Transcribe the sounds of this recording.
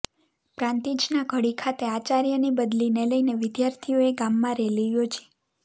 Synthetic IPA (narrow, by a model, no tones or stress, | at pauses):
pɾãnt̪id͡ʒnaɡʱəɽikʰat̪eat͡ʃaɾjənibəd̪lineləineʋɪd̪jaɾt̪ʰioeɡamːãɾɛlijod͡ʒʰe̥